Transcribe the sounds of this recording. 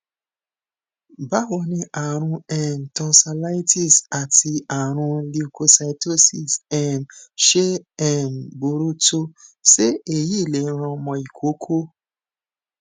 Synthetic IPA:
ba˦wo˧˨nĩ˧a˨ɾ̃ũ˧ɛ˦˨n˨tɔ˧sa˧la˦i˦ti˦˨sa˨ti˧a˨ɾ̃ũ˧li˧u˧ko˧sa˧i˧to˦si˦˨sɛ˦˨mʃe˦ɛ˦˨mbo˨ɾu˦to˧se˦e˦˨ji˦˨le˨˦ɾ̃ã˧mɔ̃˧i˨kʰo˨˦kʰo˦

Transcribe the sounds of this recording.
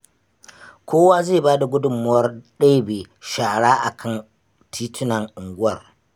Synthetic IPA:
kʷʰoː˦waː˦zeː˦˨baː˦da˨ɡʷʊ˦dʊ˨mːʊ˦wɐ˦rɗeː˦beː˨ | ʃaː˨ɽaː˦ʔa˨kʰɐ˦˨n | tʰiː˦tʰʊ˦nɐ˨ŋʔʊ˨ŋɡʷʊ˦ɐ˨r

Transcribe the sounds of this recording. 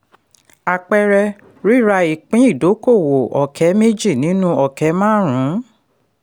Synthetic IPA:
a˧˨k͡pɛ˧ɾɛ˧ | ɾi˦˨ɾa˧i˨k͡pĩ˦i˦˨do˨˦ko˦˨wo˨ɔ˨kʰɛ˨˦me˦d͡ʒi˦˨nĩ˨˦nũ˦ɔ˦˨kɛ˨˦mãː˦ɾ̃ũ˨˦

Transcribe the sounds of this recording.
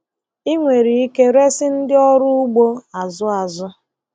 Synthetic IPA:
i˦ŋʷe˨ɾi˨i˦ke˦ɾe˦sɪ˦n̩˦dɪ˦ɔ˦ɾʊ˦ʊ˦ɡ͡bo˦a˨zʊ˦a˨zʊ˦

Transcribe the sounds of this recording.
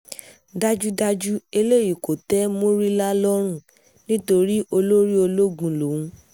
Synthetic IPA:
da˦d͡ʒu˦da˧d͡ʒu˦e˧le˦˨ji˨ko˨tɛ˦mo˦ɾi˦la˦lɔ˦ɾ̃ũ˦˨ | nĩ˦to˧ɾi˦o˧lo˦ɾi˦o˧lo˦ɡũ˧lo˨wũ˧˦

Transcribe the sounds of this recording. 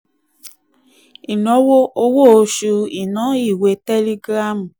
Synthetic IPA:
i˨no˨˦wo˦o˧wo˦o˧ʃu˧i˨nɔ̃˨˦i˦˨we˧tɛ˦li˦ɡɾa˦m˨

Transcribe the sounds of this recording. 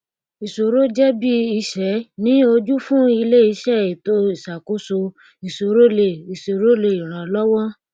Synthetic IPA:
i˨so˨ɾo˦d͡ʒɛ˦bi˦i˧ʃɛ˨˦nĩ˦o˧d͡ʒu˦fũ˦i˧le˦i˧ʃɛ˦˨i˨to˧i˨ʃa˨ko˨˦so˧ | i˨so˨ɾo˦le˨i˨so˨ɾo˦le˧˨i˨ɾ̃ã˨lɔ˦wɔ̃˦

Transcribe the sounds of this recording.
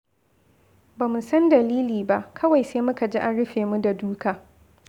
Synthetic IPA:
baː˨mu˨sɐ˦ndɐ˨liː˦liː˨ba˦ʔkʰɐ˦wa˨jseː˦mʊ˦ka˨d͡ʒi˦ʔa˦nɽʊ˦ɸeː˨mu˦da˨duː˦kaː˨

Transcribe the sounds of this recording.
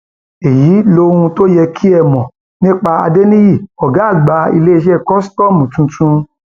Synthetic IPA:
e˨ji˨˦lo˧˦˧ɾũ˧to˦jɛ˧kʰi˦ɛ˧˨mɔ̃˨ | nĩ˦k͡pa˧a̰˧de˦nĩ˦ji˦˨ɔ˨ɡa˨˦a˦˨ɡ͡ba˨˧ḭ˧le˦i˧ʃɛ˦˨kɔ˦stɔ˦˨mũ˨tũ˨˧tʰũ˧˦

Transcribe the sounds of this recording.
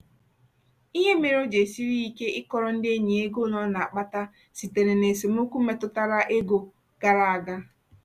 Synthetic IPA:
i˦ɦe˦me˨ɾo˦d͡ʒe˨si˦ɾi˦i˦ke˦ʔɪ˦kɔ˨ɾɔ˦n̩˦de˦e˦ɲi˨e˦ɡo˦nɔ˦na˨a˨k͡pa˦ta˦ | si˨te˨ɾe˨ne˨se˨m˦o˦kʷu˦me˨tʊ˦ta˦ɾa˦ʔe˦ɡo˨ | ɡ̥a˦ɾa˨a˨ɡa˦

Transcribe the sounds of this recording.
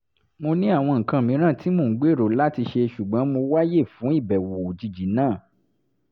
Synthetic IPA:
mo˧nĩ˦a˦˨w̃ɔ̃˧ŋ̩˨kã˧˨mĩ˨˧˦ɾ̃ã˦˨ti˨˦mo˧˨˦ɡ͡be˦˨ɾo˨la˦ti˧ʃe˧ʃu˨ɡ͡bɔ̃˨˦mo˧wa˦je˦˨fũ˨˦i˦˨bɛ˨wo˨d͡ʒi˨d͡ʒi˨˦nãː˦˨

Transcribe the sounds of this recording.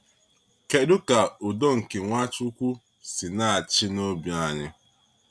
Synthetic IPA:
ke˦dʊ˦ka˨ʊ˨do˦ŋ̩˨ke˨ŋʷa˦t͡ʃʊ˦kʷu˦ | sɪ˨na˦a˨t͡ʃɪ˦no˦bja˨ɲɪ˦

